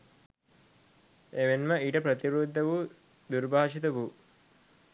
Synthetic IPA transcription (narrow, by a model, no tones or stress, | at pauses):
eʋenmɐiːʈɐpɾɐt̪iɾuːd̪ʱːɐʋu | d̪uɾbʱaːʂit̪ɐʋu